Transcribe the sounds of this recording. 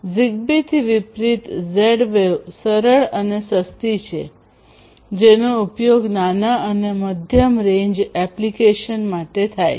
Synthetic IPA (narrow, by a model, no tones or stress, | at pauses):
ziɡ̚bit̪ʰiʋipɾit̪zeɽʋeʋsəɾəɭənesəst̪it͡ʃʰḛ | d͡ʒenoupjoɡnanaʔəneməd̪ʱjəmɾẽɲd͡ʒɛplikeʃənmaʈet̪ʰaj